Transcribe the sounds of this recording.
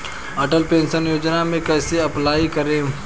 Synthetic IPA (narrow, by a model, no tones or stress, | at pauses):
ɐʈəlpẽːnʃənjoːd͡ʒnamẽkɛːseɐplaːikəɾẽː